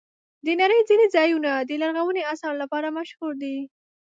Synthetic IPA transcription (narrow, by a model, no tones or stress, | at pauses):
d̪ənaɾəjd͡zinezɑjunad̪əlaɾɣawəneasɑɾlapɑɾamaʃhuɾd̪i